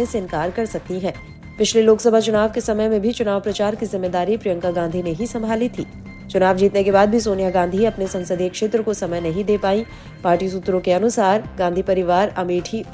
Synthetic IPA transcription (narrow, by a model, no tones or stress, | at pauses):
eseɪ̃nkaːɾkɐɾsɐk̚t̪iɦɛ̃ː | pɪt͡ʃʰleloːksɐbʱat͡ʃʊnaːʋkesɐməjmẽbʱit͡ʃʊnaːʋpɾɐt͡ʃaːɾkizɪmːeːd̪aːɾipɾɪjə̃ŋkaɡãːnd̪ʱineɦisɐ̃mbʱaːlit̪ʰḭː | t͡ʃʊnaːʋd͡ʒiːt̪nekebaːd̪̚bʱisoːnijaɡãːnd̪ʱiɐpnesɐ̃nsəd̪ʱiekʃeːt̪ɾəkosɐməjnɐɦĩd̪eːpaːĩ | paːɾʈis̬ʊt̪ːɾõkeɐnʊsaːɾɡãːnd̪ʱipɐɾɪʋaːɾɐmiːʈʰi